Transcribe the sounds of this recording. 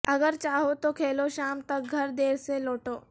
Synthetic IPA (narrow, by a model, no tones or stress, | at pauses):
ɐɡəɾt͡ʃaːɦot̪okʰeːloʃaːmt̪ɐk̚ɡʱɐɾd̪eːɾseloːʈoː